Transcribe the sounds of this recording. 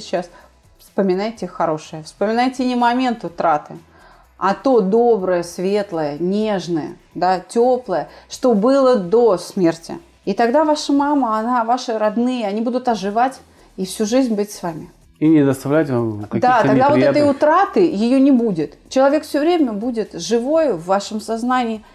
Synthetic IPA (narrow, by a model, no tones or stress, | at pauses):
ɪt͡ɕːas | fspəmʲɪnajtʲɪxɐɾo̞ʂɨjəfspəmʲɪnajtʲɪnʲɪmɐmʲe̞nt̪ʊt̪ɾat̪ɨ | ɐt̪o̞d̪o̞bɾəjəsvʲe̞t̪lˠəjənʲe̞ʐnəjə̰ | d̪atʲoplˠəjəʂt̪o̞bɨlˠəd̪o̞smʲertʲɪ̰ | it̪ɐɡd̪avaʂəmaməɐnavaʂɨɾɐd̪nɨjəɐnʲibud̪ʊt̪ɐʐɨvatʲ | ifsʲuʐɨzʲnʲbɨtʲsvamʲɪ | inʲɪd̪əst̪ɐvlʲætʲvamkɐkd̪at̪ɐɡd̪avot̪ɛt̪əjʊt̪ɾat̪ɨjɪjonʲɪbudʲɪt̪t͡ɕɪlˠɐvʲe̞kfsʲɵvɾʲemʲəbudʲɪt̪ʐɨvo̞jvːaʂəmsaznanʲɪɪ